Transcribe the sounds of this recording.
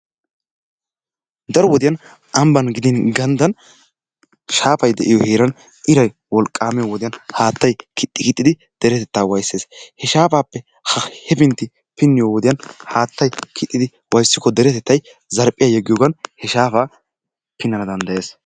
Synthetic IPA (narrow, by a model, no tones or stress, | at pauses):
d̪ɐɾɔwɔd̪ɪjɐn | ʔɐmbɐnɡɪd̪ɪnɡɐnd̪ɐn | ʃaːfɐjd̪ɛ̰ʔɪjɔheːɾɐn | ʔɪɾɐj | wɔlkʼːaːmɛjɔwɔd̪ɪjɐnhaːt̪ːɐjkʰɪt̪ʼːɪkɪt̪ʼːɪd̪ɪ | d̪̥ɛɾɛt̪ɛt̪ːaːwɐjsːeːshɛʃaːpaːpːɛ | hɐhɛpɪnt̪ːɪ | pɪnːɪjɔwɔd̪ɪjɐnhaːt̪ːɐjkʰɪt̪ʼːɪd̪ɪ | wɐjsːɪkːɔd̪ɛɾɛt̪ɛt̪ːɐj | zɐɾpʼːɪjajɛɡːɪjoːɡɐnhɛʃaːfaː | pɪnːɐnɐd̪ɐnd̪ɐje̞ːs